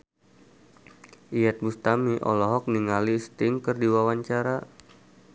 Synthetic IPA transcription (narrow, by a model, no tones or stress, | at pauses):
ʔijɛt̪̚must̪amiʔɔ̰lɔɦɔk̚niŋalist̪ɪŋkərdiwawaɲt͡ʃaɾa